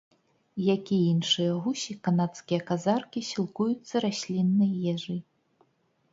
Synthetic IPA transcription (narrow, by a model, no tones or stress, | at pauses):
jakʲiinʂɨjɐɣusʲikanat̪skʲijɐkazarkʲisʲilˠkujut̪sːɐɾasʲlʲinːɨjjɛʐɨj